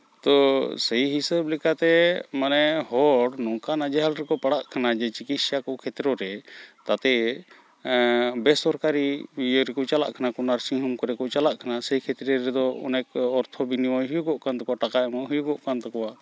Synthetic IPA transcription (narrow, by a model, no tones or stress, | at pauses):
t̪ɔsəjɦisəblɛkat̪ɛmanɛhɔɽnɔŋkanad͡ʒɛɦalɾɛkɔpaɽaʔkʰanad͡ʒɛt͡ʃikit̪sakɔkʰɛt̪ɾɔɾɛt̪at̪ɛ | bɛsɔɾkaɾiɾɛkɔt͡ʃala̰ʔkʰanakɔnaɾsiɦumkɔɾɛkɔt͡ʃalaʔkʰanasəjkʰɛt̪ɾɛɾɛd̪ɔɔ̰nɛkɔɾt̪ʰɔbiniwɔjɦujuɡɔʔkant̪ɔkɔwaʈakaɛmɔɦujuɡɔʔkant̪ɔkɔwa